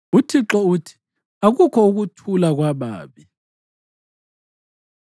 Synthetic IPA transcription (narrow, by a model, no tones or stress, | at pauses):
utʰiǁɔutʰi̥ | aɣukʰɔuɣ̬utʰulaɣwaɓa̰ːɓi